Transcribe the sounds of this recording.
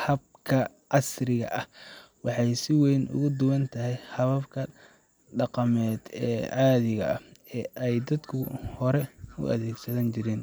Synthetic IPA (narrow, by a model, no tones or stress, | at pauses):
hɐb̚kʰɐ | ʔɑsrɪɣɐ̰ʔɐh | wɑħɑjsɪwɛjnʔʊ̰ɣʊd̪ʊwɐnt̪ʰɐɦɛjhɐβɐbkʰɐ | ɖɑqɑmɛːd̪̥ɛ̰ːʕɑːðɪɣɐ̰ɐhɛːʔɛjd̪ɐd̪kʰʊhɔɾɛʊ̰ʔɐ̰ðɛːɡsɐðɐnt͡ʃɪɾɛːn